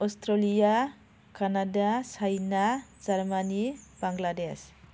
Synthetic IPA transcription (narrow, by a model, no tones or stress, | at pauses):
ɔstɾalija | kʰanadasajnazaɾmanib̥aŋɡlades